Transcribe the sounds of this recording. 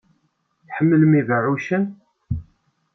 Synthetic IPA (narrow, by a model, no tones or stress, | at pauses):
θħəmːələmivəʕuʃən